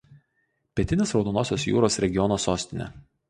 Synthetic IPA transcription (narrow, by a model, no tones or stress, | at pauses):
pʲiɛt̪ʲɪnʲesɾɒʊd̪onoːsʲoːsjṵːɾoːsɾʲɛɡʲɪjɔnoːsoːsʲt̪ʲɪnʲɛ̰